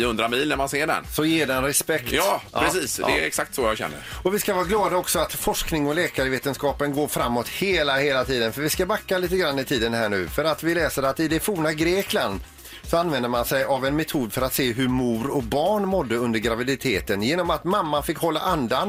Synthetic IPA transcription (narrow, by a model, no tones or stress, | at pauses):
hɵnd̪ɾamiːlnæɾmanseːɖɛ̰nsɔjeːɖɛnɾɛspɛktɑːɾɛsiːsd̪ɛɛksak̚t̪sɔjɑɡɕɛ̰nːə̰ɾɔvɪskavɑːɡlɑːd̪aɔksɔat̪fɔʂknɪŋɔlɛːkaɾəveːt̪ənskɑːpənɡoːɾfɾamːɔt̪heːlaheːlat̪ʰiːd̪ənfœɾvɪskabakːaliːt̪əɡɾanːɪt̪ʰiːd̪ənhæːɳʉ̟ːfœɾat̪vɪlɛːsəɾat̪ɪd̪ɛfuːɳaɡɾeːkland̪ | sɔanvɛnd̪əɾmansɛjavɛnmɛt̪ʰuːd̪fœɾat̪seːɦɵɾmuːɾɔbɑːɳmɔd̪ːəɵnd̪əɾɡɾavɪd̪ɪt̪ʰeːt̪ənjeːnɔmat̪mamːanfɪkːhɔlːa̰ʔand̪an